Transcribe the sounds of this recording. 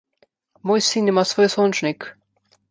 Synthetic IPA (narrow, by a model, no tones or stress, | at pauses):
mojsinimasvojsɔnt͡ʃnik